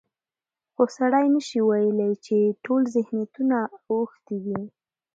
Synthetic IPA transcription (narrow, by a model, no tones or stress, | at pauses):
xosaɽajnəʃiwajəlajt͡ʃeʈolzɪhnjat̪unaɣʊxt̪id̪i